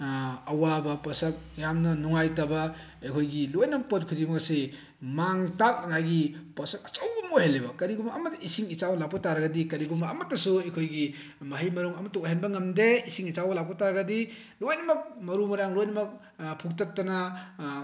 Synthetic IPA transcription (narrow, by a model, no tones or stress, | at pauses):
ɐwabɐpɐsɐk̚jamnɐnuŋajtɐbɐ | ekʰojɡilojnɐmɐk̚pot̚kʰiɾiŋase | maŋtak̚ɐŋajɡipɐsɐk̚ɐt͡ʃɐwɡumohelːebɐkɐɾiɡumɐːmɐtːɐisiŋit͡ʃawɐlak̚pɐtaɾɐɡɐdikɐɾiɡumɐːmɐtːɐsuekʰojɡi | mɐɦɐjmɐɾuŋɐmɐtokaɦenbɐŋɐmdeisiŋit͡ʃawbɐlak̚pɐtaɾɐɡɐdi | lojnɐmɐk̚mɐɾumɐɾaŋlojnɐmɐk̚ | pʰuk̚tɐtːɐna